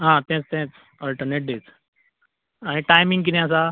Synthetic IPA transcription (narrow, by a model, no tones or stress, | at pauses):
ɦãt̪ɛ̃t͡st̪ɛ̃t͡s | əlʈəɾneʈ̚ɖet͡s | aɽ̃iʈajmĩŋɡkid̪ɛ̃əs̬a